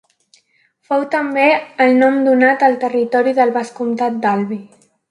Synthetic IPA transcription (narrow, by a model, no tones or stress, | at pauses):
fɔwt̪əmbeəlˠnɔmd̪unat̪əlˠt̪ərit̪ɔɾiðəlβaskumt̪at̪̚d̪alβi